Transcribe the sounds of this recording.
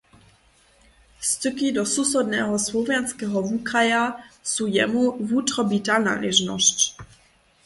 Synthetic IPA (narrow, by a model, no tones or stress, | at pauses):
st̪ukidɔsusɔdnɛːɦɔslɔvjanskɛːɦɔvukajasuːjɛ̰muvuːt̪ɾɔbit̪ana̰ːlɛʒnɔ̰sc